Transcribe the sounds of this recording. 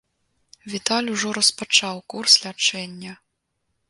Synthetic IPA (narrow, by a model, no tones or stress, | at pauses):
vʲit̪alʲuʐɔɾɐspat͡ʂawkurslʲat͡ʂɛnʲːɐ